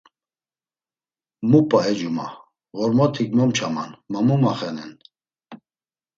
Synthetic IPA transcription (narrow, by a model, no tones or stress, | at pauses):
mupʼaɛd͡ʒuma̰ | ɣɔɾmɔt̪ʰiɡmɔmt͡ʃʰama̰nmamumaχɛnɛ̰n